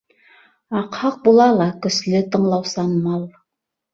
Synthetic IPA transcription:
ɑqhɑq̚bulˠɑlˠɑkɵ̆slɘt̪ɤ̆ɴlˠɑwsɑnmɑlˠ

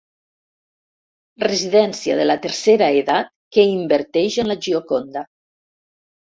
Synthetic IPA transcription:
reziðɛnsia̰ðəlat̪eɾseɾaeðat̪̚keimbəɾt̪ɛʒənlaʒiokond̪a

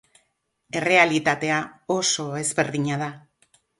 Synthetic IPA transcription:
e̞re̞alit̪at̪e̞ao̞so̞ezβe̞ɾðiɲað̞a

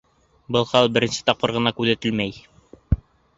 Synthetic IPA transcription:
bɤlˠχɑlˠbɘ̆ɾɘ̆nsɘ̥t̪ɑp̚qɤɾʁɤ̆nɑkʉðæt̪ɘlmæj

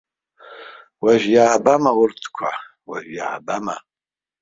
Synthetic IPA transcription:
waʒjaːbamawʊrtʰkʷʰa | wa̰ʒja̰ːbama̰

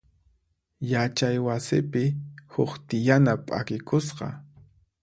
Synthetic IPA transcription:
jat͡ʃajwasɪpɪhʊχt̪ɪjanapʼa̰kɪkʰʊsqɑ̰

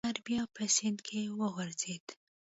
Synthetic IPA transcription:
aɾbjɑpəsɪnd̪kʰewəɣʊɾzed̪

